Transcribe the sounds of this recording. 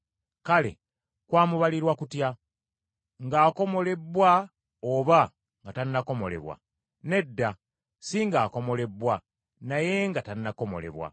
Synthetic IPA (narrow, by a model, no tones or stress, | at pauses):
kale̞̰ | kwaːmuβaliɾwakutja | ŋɡaːko̞mo̞le̞bːwa | oβa | ŋɡataninako̞mo̞̰le̞̰βwa̰ | ne̞dːa | siŋɡaːko̞mo̞le̞bwa | naje̞ŋɡataninako̞mo̞̰le̞̰βwa̰